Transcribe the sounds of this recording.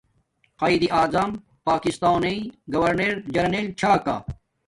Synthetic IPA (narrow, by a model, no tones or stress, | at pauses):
qɐːid̪iʔaːzɐm | paːkist̪aːneiɡɐwɐɾneɾd͡ʑɐɾnelt͡ɕʰaːka̰ː